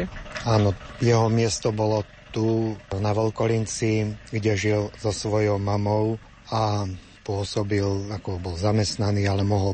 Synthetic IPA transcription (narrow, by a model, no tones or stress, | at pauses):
aːnɔjɛɦɔmɪɛst̪ɔbɔlɔ | t̪uːnaʋɔlkɔlint͡siɡɟɛʒilzɔsʋɔjɔʊmamɔʊ | a | pʊɔsɔbilakɔbɔlzamɛst̪naniːalɛmɔɦɔl